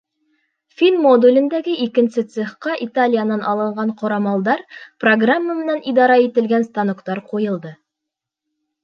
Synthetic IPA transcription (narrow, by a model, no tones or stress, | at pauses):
fʲinmod̪ulʲɘ̆nd̪æɡɘʔikɘ̆nsɘt̪seχqɑʔit̪alʲijanɑnʔɑlˠɤ̆ɴɢɑɴqʰŏɾɑmɑlˠd̪ɑɾproɡramːəmɘ̆nænid̪ɑɾɑit̪ɘ̆lɡænst̪ɑnokt̪ɑɾqujɤ̆lˠd̪ɤ